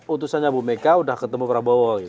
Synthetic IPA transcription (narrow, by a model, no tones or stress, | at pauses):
ut̪usanɲabumekaudahkət̪əmupəɾabɔwɔɡit̪